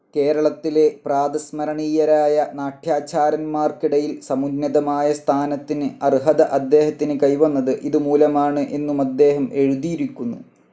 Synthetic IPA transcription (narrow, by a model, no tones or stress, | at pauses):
ke̞ːɾɐɭɐt̪ːile̞praːd̪ɐsmɐɾɐɳiːjɐɾaːjɐnaːʈʰjaːt͡ɕaːɾɐnmaːrkiɽɐjilsɐmunnːɐðɐmaːjɐst̪ʰaːnɐt̪ːinɨɐrɦɐd̪ɐʔɐd̪ːe̞ːɦɐt̪ːinɨkɐjʋɐnːɐðɨʔiðɨmuːlɐmaːɳɨʔe̞nːumɐd̪ːe̞ːɦɐmʔe̞ɻuðijiɾikʲːunːṵ